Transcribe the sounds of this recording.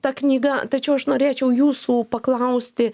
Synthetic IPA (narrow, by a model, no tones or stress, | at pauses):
t̪ɐknʲiːɡɐt̪ɐt͡ʃʲɛʊɐʃnoːɾʲeːt͡ʃʲɛʊjuːsuːpɐklˠɐʊsʲt̪ʲɪ